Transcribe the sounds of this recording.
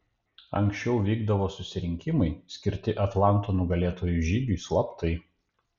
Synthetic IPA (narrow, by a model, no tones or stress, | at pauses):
ɐ̰ŋʲksʲt͡ʃʲɛʊʋʲiːɡd̪ɐʋoːsʊsʲɪɾʲɪŋʲkʲɪmɐɪsʲkʲɪɾʲt̪ʲɪʔɐt̪lˠɑˑnt̪oːnʊɡɐlʲeːt̪oːjʊʒʲiːɡʲuˑslˠɐpt̪ʰɐɪ